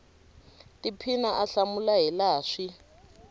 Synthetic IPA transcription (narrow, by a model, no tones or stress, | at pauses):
tipʰinaʔaɬamulaɦilaːʂi